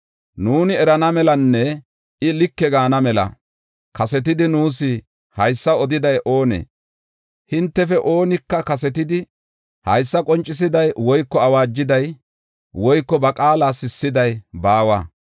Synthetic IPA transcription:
nuːnɪɛɾɐnɐmɛlɐnːɛ | ɪlɪkːɛɡaːnɐmɛlɐ̰ | kɐsɛt̪̬ɪd̪ɪnuːsɪ | hɐjsːɐɔd̪ɪd̪ɐjʔo̞ːnḛː | hɪnt̪ːɛfɛʔo̞ːnɪkːɐkɐsɛt̪ɪd̪ɪ | hɐjsːɐkʼɔnt͡ʃʼːɪs̬ɪd̪ɐjwɔjkːɔɐwaːd͡ʒːɪd̪ɐj | wɔjkːɔbɐkʼaːlaːsɪsːɪd̪ɐjbaːwa̰ː

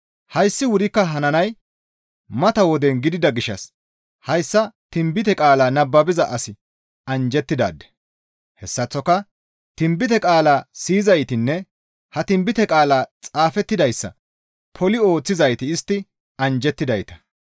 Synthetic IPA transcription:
hɐjsːɪwʊɾɪkːɐɦɐnɐnɐj | mɐt̪ɐwɔd̪ɛnɡɪd̪ɪd̪ɐɡɪʃːɐ̰s | hɐjsːɐt̪ɪmbɪt̪ɛkʼaːlaːnɐbːɐbɪzɐʔɐsɪ | ɐnd͡ʒɛt̪ːɪd̪a̰ːd̪ːɛ̥ | hɛsːɐt͡sːɔkːɐ | t̪ɪmbɪt̪ɛkʼaːlaːsiːzɐjt̪ɪnːɛ | hɐt̪ɪmbɪt̪ɛkʼaːlaːt͡sʼaːfɛt̪ːɪd̪ɐjsːɐ̰ | pʰɔlɪo̞ːt͡sːɪzɐjt̪ɪɪst̪ːɪ | ɐnd͡ʒɛt̪ːɪd̪ɐjt̪ɐ̥

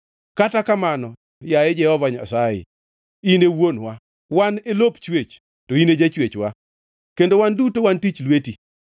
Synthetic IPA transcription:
katakamanɔ | jaed͡ʒɛhɔvaɲa̰sajɪ̰ | inewonwa | wanelopt͡ʃwet͡ʃ | toined͡ʒat͡ʃwet͡ʃwa | kendowandutowantit͡ʃlweti

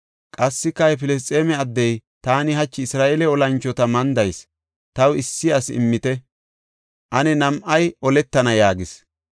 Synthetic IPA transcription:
kʼɐsːɪkːɐhɛpɪlɛs̬t̪ʼːeːmɛɐd̪ːɛjt̪aːnɪɦɐt͡ʃːɪɪsɾaːʔɛlɛɔlɐnt͡ʃːɔt̪ɐmɐnd̪ɐjs | t̪ɐwɪsːɪɐsɪ̰mːɪt̪ɛ | ʔɐnɛnɐmʔɐjʔɔlɛt̪ːɐnɐjaːɡɪs

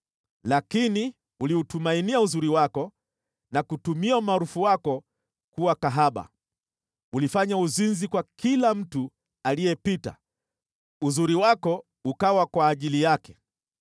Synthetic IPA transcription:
lakini | uliutumainiauzuɾiwakɔ | nakutumiaumaːɾufuwakɔ | kuwakaɦaɓa̰ | ulifaɲauzinzikwakilam̩tu | alijɛpita̰ | uzuɾiwakɔ | ukawakwaːʄilijakɛ̥

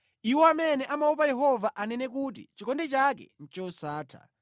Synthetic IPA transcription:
iwɔamɛnɛʔamaup̬ajɛɦɔvaʔanɛnɛk̬ut̬ḭt͡ʃikɔndɛt͡ʃakɛ̰n̩t͡ʃɔsaːtʰa̰

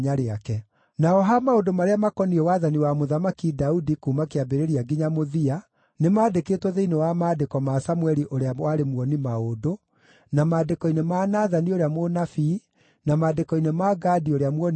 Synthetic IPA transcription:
ɲaɾeakɛ | naɔɦamaodomaɾeamakɔniɛwaðaniwamoðamakidaudikuːmakeabeɾeɾiaɡiɲamoðia | nemaːdeketwɔðeinewamaːdekɔmasamwɛɾiʔoɾeawaɾemwɔnimaodo | namaːdekɔinemanaðanioɾeamonafi | namaːdekɔinemaɡaːdioɾeamwɔn

